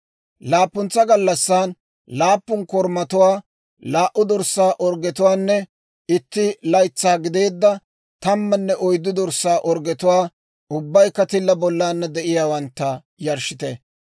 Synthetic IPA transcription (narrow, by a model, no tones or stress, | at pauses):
laːpːʊnt͡sːɐɡɐlːɐsːaːn | laːpːʊnkɔɾmɐt̪ʊwaː | laːʔʊd̪ɔɾsːaːʔɔɾɡɛt̪ʊwaːnːɛ | ɪt̪ːɪlɐjt͡sːaːɡɪd̪e̞ːd̪ːɐ | t̪ɐmːɐnːɛʔɔjd̪ːʊd̪ɔɾsːaːʔɔɾɡɛt̪ʊwaː | ʔʊbːɐjkːɐt̪ɪlːɐbɔlːaːnːɐd̪ɛʔɪjaːwɐnt̪ːɐ | jɐɾʃɪt̪ɛ